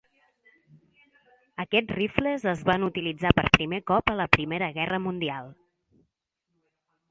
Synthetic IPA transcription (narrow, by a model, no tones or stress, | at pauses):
əkɛtrifləzəzβanut̪ilid͡zapəɾpɾimekɔpələpɾimeɾəɣɛrəmund̪ialˠ